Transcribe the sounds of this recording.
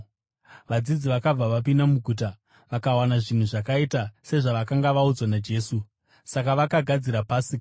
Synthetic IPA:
ʋad͡zid͡ziʋakab͡vaʋap̬indamuɡʱuːt̬a | ʋakawanaʐin̤uʐakaitase̞ʐaʋakaŋɡaʋaud͡zwanad͡ʒe̞ːsu | sakaʋakaɡʱad͡ziɾapaːsik

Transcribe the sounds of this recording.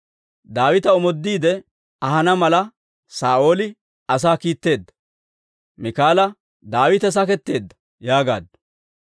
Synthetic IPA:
d̪aːwɪt̪ɐɔmɔd̪ːiːd̪ɛ | ɐɦɐnɐmɐlɐ | saːʔo̞ːlɪ | ɐs̬aːkiːt̪ːe̞ːd̪ːɐ̥ | mɪkaːlɐ | d̪aːwɪt̪ɛs̬ɐkɛt̪ːe̞ːd̪ːɐ̥ | jaːɡa̰ːd̪ːɐ̥

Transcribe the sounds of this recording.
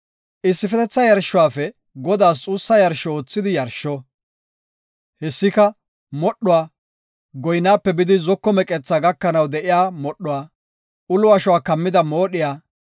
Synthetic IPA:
ʔɪsːɪfɛt̪ɛt͡sːɐjɐɾʃːʊwaːfɛ | ɡɔd̪aːs̬t͡sʼuːsːɐjɐɾʃɔoːt͡sːɪd̪ɪjɐɾʃɔ | hɛsːɪkɐ | mɔɗːʊwaː | ɡɔjnaːpːɛbɪd̪ɪzɔkːɔmɛkʼɛt͡sːaɡɐkːɐnɐwd̪ɛʔɪjaːmɔɗːʊwaː | ʔʊlʊwaʃɔwaːkɐmːɪd̪ɐmoːɗɪjaː

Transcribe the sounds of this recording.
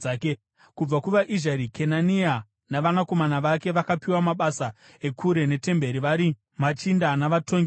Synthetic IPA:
aːke | kub͡vakuʋaʔiʒaɾikʰe̞nania | naʋanako̞manaʋake̞ʋakapiwamaɓasa | e̞kʰuɾe̞ne̞te̞mbe̞ɾiʋaɾi | mat͡ʃindanaʋatoŋɡi

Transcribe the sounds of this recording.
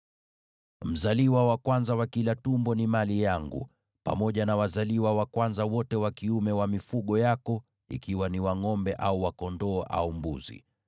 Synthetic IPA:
m̩zaliwawakwanzawakilatumbɔnimalijaŋɡṵ | pa̰mɔʄanawazaliwawakwanzawɔtɛwakiumɛwamifuɠɔjakɔ | ḭkiwaniwaŋɔmbɛʔauwakɔndɔːʔa̰umbṵzḭ

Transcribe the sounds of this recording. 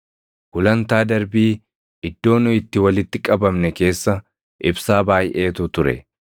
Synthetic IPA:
hʊlɐnt̪aːd̪ɐɾbiː | ɪd̪ːo̞ːnʊɪt̪ːɪwɐlɪt̪ːɪkʼɐbɐmnɛke̞ːsːɐ | ʔɪbsaːbaːjʔe̞ːt̪ʊt̪ʊɾɛ̰

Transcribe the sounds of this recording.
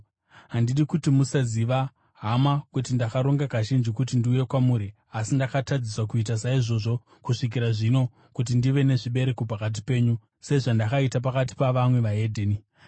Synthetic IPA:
ɦandiɗikutimusaziʋa | ɦamakutindakaɾo̞ŋɡakaʒind͡ʒikutindiuje̞kwamuːɾi | asindakatad͡ziswakuit̬asaiʐo̞ʐo̞ | kuʂik̬iɾaʐino̞ | kut̬indiʋe̞ne̞ʐiɓe̞ɾe̞kopakat̬i̥pe̞ːɲu | se̞ʐandakaitap̬akat̬i̥paʋamwe̞ʋaɦe̞dʱeːni

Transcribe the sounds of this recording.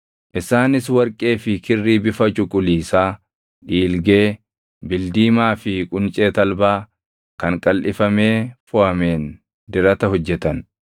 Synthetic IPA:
ʔɪsaːnɪswɐɾkʼe̞ːfɪkɪrːiːbɪfɐt͡ʃʼʊkʼʊliːsaː | ᶑiːlɡe̞ː | bɪld̪iːmaːfɪkʼʊnt͡ʃʼeːt̪ɐlbaː | kɐŋkʼɐlʔɪfɐme̞ːfʊʔɐme̞ːn | d̪ɪɾɐt̪ɐɦɔd͡ʒːɛt̪ɐn

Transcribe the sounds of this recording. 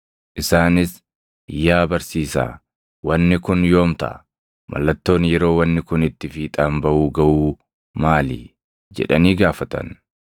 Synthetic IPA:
ʔɪsaːnɪs | jːaːbɐɾsiːsa̰ː | wɐnːɪkʊnjo̞ːmt̪ɐ̰ʔ | mʔɐ̰lːɐt̪ːo̞ːnjɛɾo̞ːwɐnːɪkʊnɪt̪ːɪfiːt̪ʼaːmbɐʔuːɡɐʔuː | maːlḭ | d͡ʒɛ̰ᶑɐniːɡaːfɐt̪ɐ̰n

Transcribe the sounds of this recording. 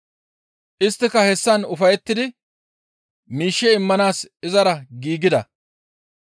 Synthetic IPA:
ʔɪst̪ːɪkɐhɛsːɐnʊfɐjɛt̪ːɪd̪ɪ | miːʃːɛɪmːɐnaːsɪzɐɾɐɡiːɡɪd̪ɐ

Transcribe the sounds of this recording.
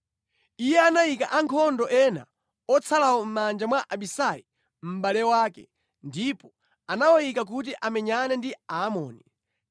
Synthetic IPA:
ijɛanaikaʔaŋkʰɔndɔʔɛna̰ | ɔt͡sʰalawɔm̩mand͡ʒamwaʔaɓisai | m̩ɓalɛwaːkɛ̰ | ndipɔ | anawɔjikak̬ut̬iʔamɛɲanɛndiaːmɔ̰ːni

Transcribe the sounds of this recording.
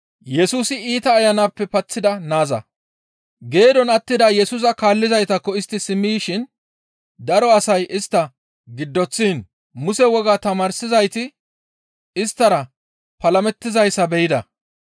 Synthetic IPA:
jɛsuːsɪiːt̪ɐːjɐnaːpːɛpɐt͡sːɪd̪ɐnaːzɐ̰ | ɡe̞ːd̪ɔnɐt̪ːɪd̪ɐjɛsʊs̬ɐkaːlːɪzɐjt̪ɐkːɔɪst̪ːɪsɪmːiʃɪn | d̪ɐɾɔɐsɐjʔɪst̪ːɐ | ɡɪd̪ːɔt͡sːiːn | mʊsɛwɔɡaːt̪ɐmaːɾsɪzɐjt̪ɪ | ɪst̪ːɐɾɐ | pɐlɐmɛt̪ːɪzɐjsɐbɛjɪd̪ɐ

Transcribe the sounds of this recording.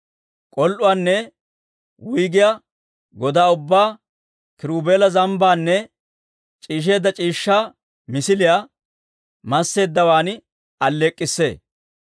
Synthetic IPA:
kʼɔlʔʊwaːnːɛ | wʊjɡɪjaː | ɡɔd̪aːʊbːaː | kɪɾuːbeːlɐzɐmbaːnːɛ | t͡ʃʼiːʃ̬e̞ːd̪ːɐt͡ʃʼiːʃːaː | mɪsɪlɪjaː | mɐsːe̞ːd̪ːɐwaːn | ɐlːeːkʼːɪsːe̞̰ː

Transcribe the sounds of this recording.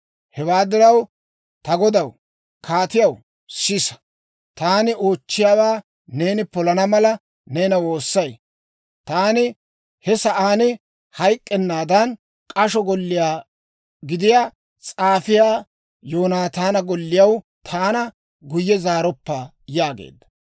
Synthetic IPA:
hɛwaːd̪ɪɾɐw | t̪ɐɡɔd̪ɐw | kʰaːt̪ɪjɐw | sɪsɐ̥ | t̪aːnɪoːt͡ʃːɪjaːwaː | neːnɪpɔlɐnɐmɐlɐ | ne̞ːnɐwo̞ːsːɐj | t̪aːnɪ | hɛsɐʔaːnɪ | hɐjkʼːɛnːaːd̪ɐn | kʼɐʃɔɡɔlːɪjaː | ɡɪd̪ɪjaː | t͡sʼaːfɪjaː | joːnaːt̪aːnɐɡɔlːɪjɐw | t̪ʰaːnɐ | ɡʊjːɛzaːɾɔpːɐ | jaːɡḛːd̪ːɐ̥

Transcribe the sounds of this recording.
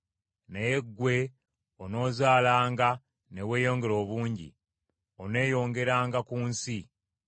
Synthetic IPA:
nejeɡːwe̞ | ono̞ːzaːlaːŋɡa | ne̞we̞ːjo̞ːŋɡe̞ɾo̞ːβuːɲɟḭ | one̞ːjo̞ːŋɡe̞ɾaːŋɡakuːnsi

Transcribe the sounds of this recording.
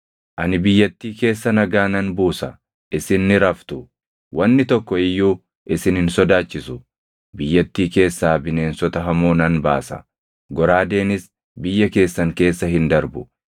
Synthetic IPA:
ʔɐnɪbɪjːɐt̪ːiːke̞ːsːɐnɐɡaːnɐnbuːsɐ | ʔɪsɪnːɪɾɐft̪ʊ | wɐnːɪt̪ɔkːɔɪjːuː | ʔɪsɪnhɪnsɔd̪aːt͡ʃːɪsʊ | bɪjːɐt̪ːiːke̞ːsːaːbɪne̞ːnsɔt̪ɐɦɐmoːnɐnba̰ːsɐ̰ | ɡɔɾaːd̪e̞ːnɪs | bɪjːɐke̞ːsːɐŋke̞ːsːɐɦɪnd̪ɐɾbʊ

